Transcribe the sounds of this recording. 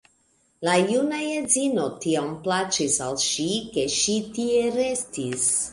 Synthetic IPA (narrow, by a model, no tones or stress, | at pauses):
lajunajezino̞tiamplat͡ʃisalʃike̞ʃitieɾestis